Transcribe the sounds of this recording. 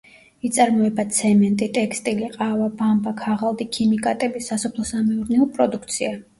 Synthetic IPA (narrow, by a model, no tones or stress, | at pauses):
it̪sʼaɾmɔɛbat̪sʰɛmɛnt̪ʼit̪ʼɛkst̪ʼiliqʼavabambakʰaʁalˠd̪ikʰimikʼat̪ʼɛbisasɔpʰlˠɔsamɛuɾnɛɔpʼɾɔd̪ukʰt̪sʰia